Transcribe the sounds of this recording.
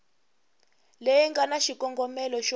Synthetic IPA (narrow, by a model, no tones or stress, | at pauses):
lejiŋɡanaʃikɔŋɡɔmɛlɔʃɔ